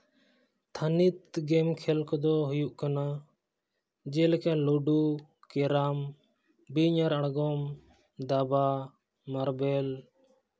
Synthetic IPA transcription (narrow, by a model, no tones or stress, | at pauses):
t̪ʰanit̪ɡɛmkʰɛlkɔd̪ɔɦujuʔkana | d͡ʒɛlkɛlɔɖu | kɛɾam | biɲaɾaɽɡɔm | d̪aba | maɾbɛl